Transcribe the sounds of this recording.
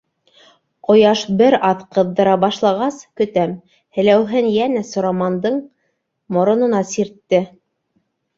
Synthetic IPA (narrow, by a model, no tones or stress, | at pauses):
qŏjɑʃbɘɾɑðqɤ̆ðːɤ̆ɾɑbɑʃlˠɑʁɑskɵ̆t̪æm | hɘ̆læwɦɘnjænæsŏɾɑmɑnd̪ɤɴ | mŏɾŏnɤ̆nɑsiɾt̪ːɘ